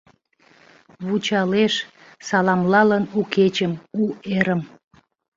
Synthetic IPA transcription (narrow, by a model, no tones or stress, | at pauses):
βut͡ɕɑleʃ | sɑlɑmlɑlənuket͡ɕəmueɾəm